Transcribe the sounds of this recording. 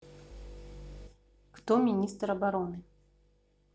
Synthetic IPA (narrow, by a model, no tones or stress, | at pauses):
kt̪ɔmʲinʲist̪rɐbaɾɔnɨ